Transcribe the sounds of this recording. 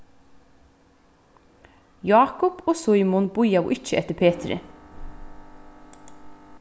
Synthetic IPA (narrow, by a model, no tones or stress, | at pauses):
jɑːkʊpɔːsʊjmʊnb̥ʊjawʔɪt͡ʃːəʔɛt̪ːəɾpʰeːt̪ɾɪ̰